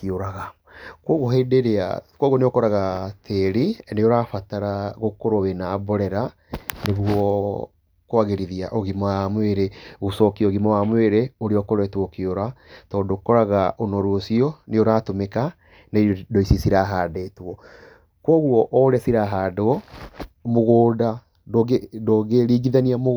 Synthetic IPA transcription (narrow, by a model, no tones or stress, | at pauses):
kioɾaɣa | kwɔɣoɦedeɾea̰kwɔɣwɔneokɔɾaɣatʰeɾineoɾaːfataɾaɣokoɾowenaːbɔɾɛɾa | neɣuɔ | kwaɣeɾiðia̰ʔɔɣimaamweɾeɣosɔkiɔɣimawamweɾeoɾeɔkoɾɛtwɔkioɾatɔdokɔɾaɣaʔonɔɾwosiɔneoɾaːtomeka | nedɔisisiɾaːɦaːdetwɔ | kwɔɣuɔʔɔɾɛsiɾaɦaːdoɔ | moɣoːda | doedoɣeɾiːɡiðaniamo